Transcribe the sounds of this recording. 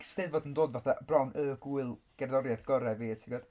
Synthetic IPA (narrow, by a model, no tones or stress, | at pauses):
stɨðvɔdəndoːdvaθabrawnəːɡuɨlˠɡ̥ɛrðɔɾjaθɡ̥ɔɾɛviːətʰiɡɔd̥